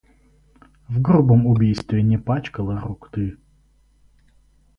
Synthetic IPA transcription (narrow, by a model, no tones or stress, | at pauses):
vɡɾubəmʊbʲijst̪vʲɪnʲɪpat͡ɕkəlˠəɾʊkt̪ɨ